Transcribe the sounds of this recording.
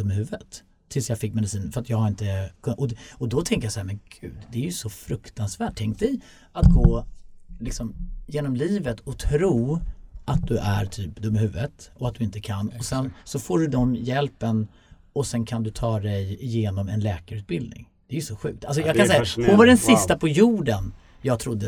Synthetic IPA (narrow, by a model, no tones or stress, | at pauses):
d̪ɵmːɪɦʉ̟ːvət̪ʰː | ɪlsjɑːɡfɪkːmɛd̪ɪsiːnfœɾat̪jɑːɡhaɾɪnt̪əkʰɵnʔɔɔd̪ɔt̪ʰɛŋkəjasahæɾmɛnɡ̥ʉ̟̰ːd̪d̪ɛæɾjɵsɔfɾɵkt̪ansvæːʈ̚ʰːɛŋkt̪ɛj | at̪ɡoːlɪksɔmjeːnɔmliːvət̪ʰɔt̪ʰɾuːʔat̪̚d̪ɵʔæ̰ɾt̪ʰyːpd̪ɵmɦʉ̟ːvət̪ɔat̪̚d̪ɵɪnt̪əkʰanːɔsɛnsɔfoːɖɵd̪ɔmjɛlpən | ɔsɛnkʰand̪ɵt̪ʰɑːd̪ɛjɪjeːnɔmɛ̰nlɛːkaɾʉːt̪̚bɪld̪nɪ̰ŋ | d̪ɛæːjɵsɔɧʉ̟̰ːk̚t̪ʰalsɔjjɑːɡkʰansɛjahʊnvaɖɛnsɪst̪apʰɔjuːɖən | jɑːɡ̚t̪ʰɾʊd̪ːə